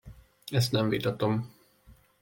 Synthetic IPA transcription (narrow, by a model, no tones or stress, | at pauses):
ɛst̪nɛɱvit̪ɒt̪o̞m